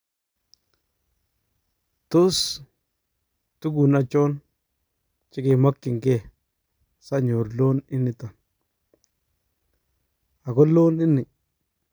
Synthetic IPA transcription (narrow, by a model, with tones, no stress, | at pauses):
to˦s | tu˦ɡu˨na˨t͡ʃo˦n | t͡ʃi˦ki˨ma˦kːɪ˨ŋke˦ | sa˦ɲo˨ɾlo˦ni˦nːi˨ta˨n | a˨ɡo˦lo˦ni˦nːi˨